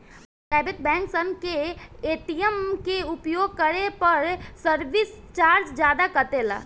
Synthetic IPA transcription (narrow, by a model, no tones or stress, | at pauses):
sɛːbɪt̪̚bɛ̃ːŋksənkeeːt̪ijəmkeʊpjoːɡ̚kəɾepəɾsəɾʋɪs | t͡ʃaːɾd͡ʒd͡ʒjaːd̪akət̪eːla̰ː